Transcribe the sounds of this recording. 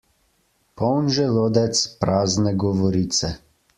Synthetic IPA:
pɔwnʒɛloːd̪ɛt̪spɾaːznɛɡɔʋɔɾiːt̪sɛ

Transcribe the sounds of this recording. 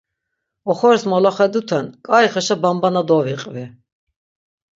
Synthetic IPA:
ɔχɔɾsmɔlaχɛd̪ut̪ʰɛnkʼaiχɛʃabambanad̪ɔviqʼvɛ

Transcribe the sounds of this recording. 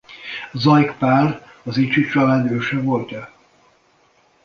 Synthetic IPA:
zɒjkpaːr | ɒzit͡ʃit͡ʃɒlɛnøːʃɛvolt̪ɛ

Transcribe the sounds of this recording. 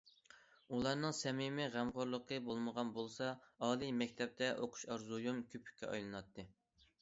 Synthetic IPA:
ulˠɑɾnɨŋsɛmɪmɪʁæmʁoɾlˠəqʰəbolˠməʁɑnbolˠsɑɑːlˠijmɛkʲt̪ʰɛp̚t̪ʰɛʔoqʰʊ̥ʃɑɾzujumkʲʰøpʰy̥kʲːɛ̰ɑ̰jlˠɨnɑt̪ʰːɨ

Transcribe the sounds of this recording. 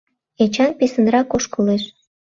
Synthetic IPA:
et͡ɕɑnpesə̆nrɑkoʃkəleʃ

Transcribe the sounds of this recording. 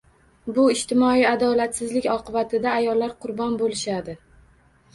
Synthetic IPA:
bʊɪʃt̪ʰɪmɒiad̪ɒlat̪sɪzlɪkʲɒqʰɨbat̪ʰɪd̪aːjɒlːaɾqʰʊɾbɒnbolɪʃad̪ɪ

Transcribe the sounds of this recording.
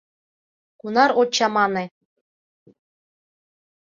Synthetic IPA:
kunɑɾot͡ɕɑmɑnĕ

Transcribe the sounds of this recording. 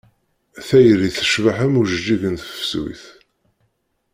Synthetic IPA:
θæjɾiθə̥ʃvaħəmuʒəd͡ʒːiʝənθə̥fsḭθ

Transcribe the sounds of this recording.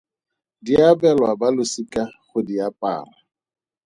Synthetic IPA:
diabɛlwabalʊsikʼaχʊdiapʼa̰ːŋa

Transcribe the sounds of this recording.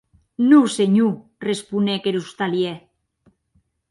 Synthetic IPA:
nuseɲu | respunekeɾust̪alje

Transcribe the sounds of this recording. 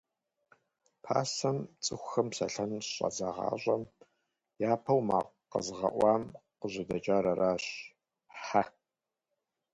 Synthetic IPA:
pʰa̰ːsɐmt͡sʼɨxʷxɐmsɐ̰ɬɐnɕʼɐ̰zaʁɑ̰ːɕʷʼɐm | jaːpʰɐwma̰ːq | qə̰zʁɐ̰ʔʷɑːmqəʑɪdɐt͡ʃʼaːɾɐɾaːɕ | ħa

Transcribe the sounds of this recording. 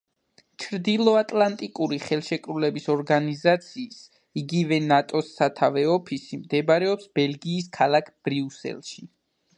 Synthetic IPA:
t͡ʃʰɾd̪ilˠɔat̪ʼlˠant̪ʼikʼuɾiχɛlˠʃɛkʼɾulɛbisɔɾɡanizat̪sʰiːs | iɡivɛnat̪ʼɔsːat̪ʰavɛɔpʰisimd̪ɛbaɾɛɔpsbɛlˠɡiːs̬kʰalˠakʰb̥ɾiusɛ̰lˠʃi

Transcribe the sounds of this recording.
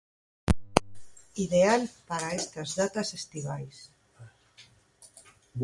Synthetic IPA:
iðealpaɾaest̪azðat̪asest̪iβajs

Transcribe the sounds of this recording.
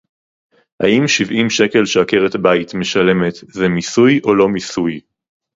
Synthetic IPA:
ha̰ʔimʃivimʃe̞ke̞lʃeake̞ʁethabaitme̞ʃale̞me̞tzemisujʔo̞lo̞misuj

